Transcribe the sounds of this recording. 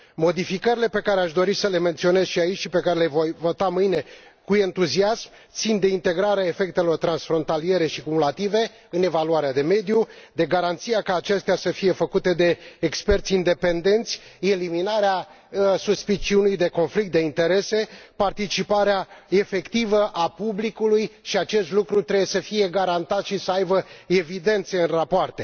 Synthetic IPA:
mo̞d̪ifikəɾile̞pe̞kaɾeaʃd̪o̞ɾisəle̞me̞nt̪sio̞ne̞z̥ʃiait͡ʃʲʃipe̞kaɾe̞levojvot̪amɨjne̞ | kue̞nt̪uziasm | t̪sind̪e̞int̪e̞ɡɾaɾeae̞fe̞k̚t̪e̞lo̞rt̪ɾansfɾo̞nt̪alije̞ɾe̞ʃikumulat̪ive̞ | ɨne̞valuaɾead̪e̞me̞d̪jud̪e̞ɡaɾant̪sijakaːt͡ʃe̞st̪easəfije̞fəkut̪e̞d̪e̞ːkspe̞rt̪sʲind̪e̞pe̞nd̪e̞nt̪sʲe̞liminaɾea | suspit͡ʃiunujd̪e̞ko̞nflik̚t̪̚d̪e̞int̪e̞ɾe̞se̞part̪it͡ʃipaɾeae̞fe̞kt̪ivəʔapublikulujʃiat͡ʃe̞st̪lukɾut̪ɾe̞bjesəfije̞ɡaɾant̪at̪ʃisəajbəe̞vid̪e̞nt̪se̞ɨnrapoart̪e̞

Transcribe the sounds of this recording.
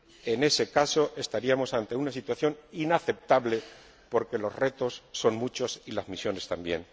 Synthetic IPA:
e̞ne̞se̞kaso̞ʔe̞st̪aɾiamo̞sant̪e̞unasit̪waθjo̞ninaθe̞p̚t̪aβle̞ | po̞ɾke̞lo̞zre̞t̪o̞sːo̞nmut͡ʃo̞silazmisjo̞ne̞st̪ambje̞̰n

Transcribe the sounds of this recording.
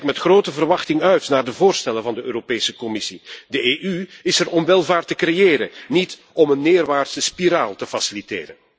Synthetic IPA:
kmɛtxroːtəvərʋɑxtɪŋœɥtnaːrdəvoːrstɛlənvɑndəøːɾopeːsəkɔmɪsidəʔeːʔyɪsərɔmʋɛlˠvaːrtəkrejeːɾənit | ɔmənːeːrʋaːrtsəspiɾaːlˠtəfasilitḛːɾən

